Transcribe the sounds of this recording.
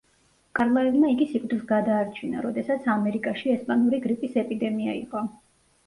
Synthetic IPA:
kʼaɾlˠaɛvmaiɡisikʼd̪isɡad̪aːɾt͡ʃʰina̰ɾɔd̪ɛsat̪sʰamɛɾikʼaʃiɛspʼanuɾiɡɾipʼisɛpʼid̪ɛmia̰ḭqʼɔ

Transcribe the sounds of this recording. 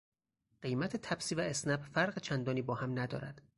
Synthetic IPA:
ɢ̥ejmæt̪ʰet̪ʰæbsiːvæesnæbfæɾɢet͡ʃʰænd̪ɒːniːbɒːhæmnæd̪ɒ̰ːɾæ̰d̪̥

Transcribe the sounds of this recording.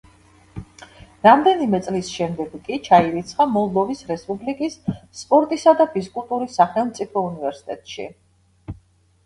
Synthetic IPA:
ɾamd̪ɛnimɛt̪sʼlisʃɛmd̪ɛɡkʼit͡ʃʰaiɾit̪sʰχamɔlˠd̪ɔvisɾɛspʼublikʼisːpʼɔɾt̪ʼisad̪abiskʼulˠt̪ʼuɾisːaχɛlˠmt̪sʼipʰɔunivɛɾsi̥t̪ʼɛt̪ʼʃḭ

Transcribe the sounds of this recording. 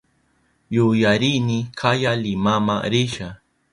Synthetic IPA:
jʊjaɾinɪkʰajalɪmama̰ɾɪʃa

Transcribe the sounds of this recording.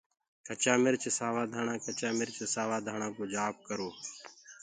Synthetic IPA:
kət͡ʃaːmɪɾt͡ʃsaːʋaːd̪ʱaːɳãːkət͡ʃaːmɪɾt͡ʃsaːʋaːd̪ʱaːɳãːkoːd͡ʒaːp̚kəɾoː

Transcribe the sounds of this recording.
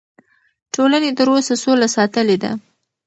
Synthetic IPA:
ʈolanet̪əɾosasolasɑt̪əled̪a̰

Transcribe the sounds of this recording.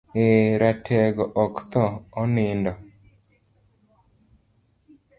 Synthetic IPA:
eɾatʰɛɡɔʔɔkt̪ɔːnɪndɔ

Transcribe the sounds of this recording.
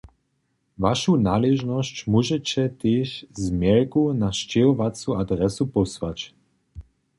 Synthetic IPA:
vaʃunaːlɛʒnɔst͡ɕmuʒɛt͡ɕɛt̪eːʃzmjɛɾkunaʃt͡ɕɛɔʋat͡suad̪ɾɛsupɔsʋat͡ɕ

